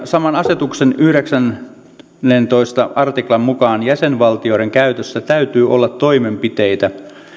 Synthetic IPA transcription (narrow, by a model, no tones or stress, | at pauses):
sɑmɑnɑse̞t̪uksenyhɾeksænː | ent̪o̞ist̪ɑʔɑrt̪iklɑmmukɑːnjæsenʋɑlt̪io̞ɾeŋkæyt̪øsːæt̪æyt̪yːo̞lːɑt̪ːo̞ime̞mpit̪e̞jt̪æ